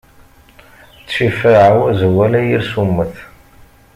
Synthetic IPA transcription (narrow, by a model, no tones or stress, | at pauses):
t͡sːʃifəʕəwzəwælæjiɾsumːəθ